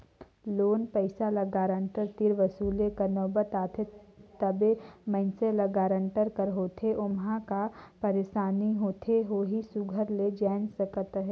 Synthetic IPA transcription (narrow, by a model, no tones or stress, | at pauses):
loːnpəɪsalɐɡaːɾə̃ɳʈəɾt̪iɾʋəsuːlekɐnɔːbət̪aːt̪ʰet̪əbemə̃nselɐɡaːɾə̃ɳʈəɾkəɾɦoːt̪ʰeʔʊmɦãkapəɾeːʃaːniɦoːt̪ʰeɦoːɦisʊɡʱəɾled͡ʒaːnsəkət̪ɦɛː